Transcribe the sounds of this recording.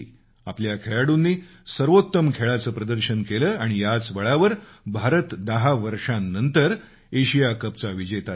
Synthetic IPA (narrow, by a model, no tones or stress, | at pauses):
a̰pljakʰeɭaɽunːiː | səɾʋot̪ːəmkʰeɭat͡səːpɾəd̪əɾɕənkeləːaɽ̃ijat͡sʋəɭaʋəɾbʱaɾət̪d̪əɦaʋəɾʂãnːənt̪əɾ | eɕijakəp̚t͡saʋid͡ʑet̪a